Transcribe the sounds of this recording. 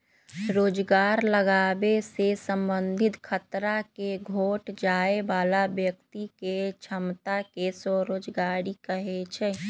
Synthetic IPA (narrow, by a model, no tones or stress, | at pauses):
ɾoːd͡ʒɡaːɾləɡaːbesesə̃mbənd̪ʱɪt̪kʰət̪ɾakeɡʱoːʈd͡ʒaːebaːlabjək̚t̪iket͡ʃʰəmt̪akesɔɾoːd͡ʒɡaːɾikəɦet͡ʃʰɛ